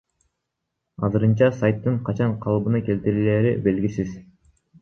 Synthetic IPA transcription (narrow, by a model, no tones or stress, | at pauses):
ɑ̰zɯɾɯnt͡ʃɑsajt̪ːɯɴqʰɑt͡ʃɑɴqʰɑlˠbɯnɑke̞lt̪iɾileːɾibe̞lɡisiz